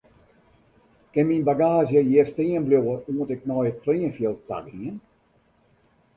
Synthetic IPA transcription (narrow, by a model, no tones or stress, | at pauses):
kɪnminbaɡaːzjəjirstiːənbljowəuəntɪk̚nɔjətfliːənfjəlˠta̰kiən